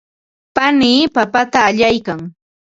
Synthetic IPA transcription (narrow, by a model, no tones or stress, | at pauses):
paniːpapat̪aːʎajkaŋ